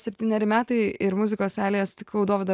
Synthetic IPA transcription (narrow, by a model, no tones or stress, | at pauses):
sʲɛpʲt̪ʲiːnʲɛɾʲɪmʲæːt̪ɐɪɪɾmʊzʲɪkoːsæːlʲejɛst̪ʲɪkɐʊd̪oːʋʲd̪ɐ